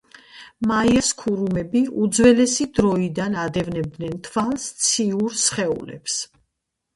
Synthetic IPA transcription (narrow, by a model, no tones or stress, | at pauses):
maiaskʰuɾumɛbiud̪zwɛlɛsid̪ɾɔid̪anad̪ɛvnɛb̚d̪nɛnt̪ʰvalˠst̪sʰiuɾsχɛṵlɛ̰ps